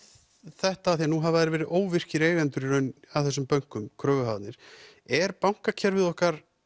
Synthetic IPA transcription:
θɛht̪aːθianuɦavaɛɾvɛːɾɪðoːwvɪr̥cɪɾeːjɣvɛnt̪ʏɾiɾœnaθɛsːʏmpœŋ̥kʏmkʰɾœːvʏɦawt̪nɪɾ̥ | ɛɾpawŋ̥kacʰɛɾvɪðɔhkaɾ̥

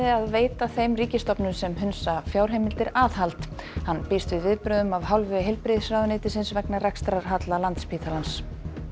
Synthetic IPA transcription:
ɪaðveːjt̪aθejmriːcɪst̪ɔpnʏmsɛmɦʏnsafjawɾ̥ɦejmɪlt̪ɪɾaːðhalt̪ | hanːpɪst̪vɪðvɪðpɾʏðʏmavɦawlvʏɦejlpɾɪðsɾaːwðʏnɪːt̪ɪsɪnsvɛknarakst̪ɾaɾ̥ɦat̪lalant̪spʰiːt̪ʰalans

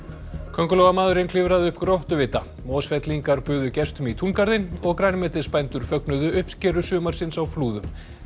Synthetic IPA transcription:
kʰœŋkʏlɔwɣamaːðʏɾɪnkʰlɪvɾaðɪʏhpkɾowht̪ʏvɪːt̪a | mɔːsfɛt̪liŋkaɾpʏːðʏcɛst̪ʏmit̪ʰunkaɾðɪnɔɣkɾaːjnmɛːt̪ɪspajnt̪ʏɾ̥fœknʏðʏʔʏhpscɛːɾʏsʏːmaɾ̥sɪnsawfluːðʏm

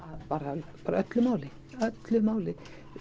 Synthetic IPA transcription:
aðpaːɾpaːɾaœt̪lʏmaːwlɪ | œt̪lʏmaːwlɪ

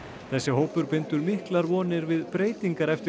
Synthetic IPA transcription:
θɛsːɪɦoːwpʏɾpɪnt̪ʏɾmihklaɾvɔːnɪɾvɪðpɾeːjt̪iŋkaɾɛft̪ɪ

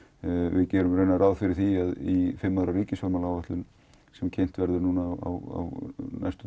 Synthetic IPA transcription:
vɪðcɛːɾʏmɾejnaɾʔawðfɪɾɪɾ̥θiaðifɪmːaːðɾaɾiːcɪsfɔɾmalawvɛht̪lʏn | sɛmcʰejn̥t̪vɛɾðʏɾnunawa̰wa̰wna̰jst̪ʏ

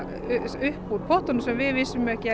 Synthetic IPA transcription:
ʏhpːuːt̪̚pʰɔht̪ɔnʏsɛmvɪvɪsʏmɛhcɪ

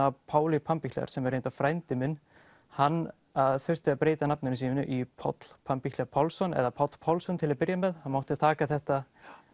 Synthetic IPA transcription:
apʰaːwlipʰampiçʰt̪lɛ̰a̰̥sɛmɛɾːejnt̪awfɾajnt̪ɪmɪn | hanː | aðθœr̥t̪ɪaðpɾeːjt̪anap̚nʏnɪs̬iːmɪnʏ̰ʔipʰɔ̰t̪l̥pʰampikt̪aɾpʰawlsɔnɛ̰ðapʰɔt̪l̥pʰawlsɔnt̪ʰɪlaðpɪɾjamɛðhanmawht̪ɪt̪ʰaːkaθɛht̪a

